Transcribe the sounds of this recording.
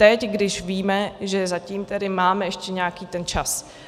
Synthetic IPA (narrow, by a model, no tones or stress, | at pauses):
t̪ɛcɡdɪʃviːmɛʒɛzaciːmt̪ɛdɪmaːmɛɛʃcɛɲɛakiːt̪ɛnt͡ʃas